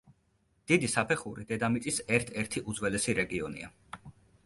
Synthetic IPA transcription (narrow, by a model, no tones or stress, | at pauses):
d̪̥id̪isapʰɛχuɾid̪̥ɛd̪amit̪ʼisɛɾt̪ʰɛɾt̪ʰiʔud̪zwɛlɛsiɾɛɡiɔnḭa̰